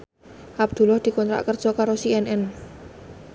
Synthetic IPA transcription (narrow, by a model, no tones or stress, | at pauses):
ʔab̚d̪̥ṳlɔhd̪̥i̤kɔnt̪ɾa̰ʔkərdʒ̥ɔkaɾosiɛnʔɛn